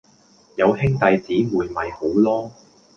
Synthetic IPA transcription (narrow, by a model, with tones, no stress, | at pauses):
jɐ˨˧whɪ˥ŋt̪ɐ˧jt͡siː˨˥muː˨jmɐ˨jho˨˥wlɔː˥